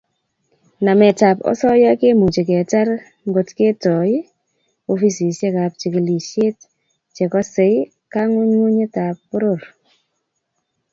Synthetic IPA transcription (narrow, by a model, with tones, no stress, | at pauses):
na˨mɛ˨ta˨pɔ̰˦sɔ˦ja˦ke˦mu˨t͡ʃe˨kɛ˨ta˦ɾ | ŋɡo˨tke˦tɔ˨ɪ˦ | o˦fi˦si˨se˦ka˨p̚t͡ʃe˨ke˨li˨ʃe˦t | t͡ʃe˨kɔ˦se˨˦ɪ˦ | ka˦ŋo˦ɲŋu˦ɲe˦ta˨pːo˦ɾo˦˨ɾ